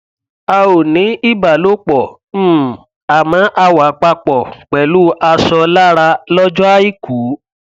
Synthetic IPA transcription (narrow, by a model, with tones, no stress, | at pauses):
a˧o˨nĩ˨˦i˦˨ba˨lo˦k͡pɔ˨˦ | a˨mã˨˦ʔa˧wa˨˦k͡pa˧k͡pɔ˨k͡pɛ˨lu˦ʔa˧sɔ˧la˦ɾa˧lɔ˦d͡ʒɔ˦a˦i˦˨ku˨˦